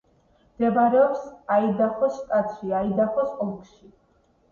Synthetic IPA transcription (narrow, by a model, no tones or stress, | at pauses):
md̪̥ɛbaɾɛɔpsaid̪aχɔsːt̪ʼat̪ʰʃiaid̪aχɔsʼɔlkʃi